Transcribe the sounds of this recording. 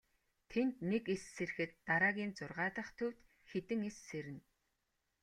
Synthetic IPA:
t̪ʰent̪nekesːer̆xɘ̆t̪ːaɾaːɣʲiːnt͡sʊrʁaːt̪ə̆χt̪ʰɵwʲt̪ | xet̪ɘ̆ŋesːeɾɘ̆n

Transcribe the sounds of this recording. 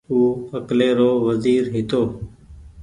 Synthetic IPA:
uːəkleːɾoːʋəziːɾɦɪt̪oː

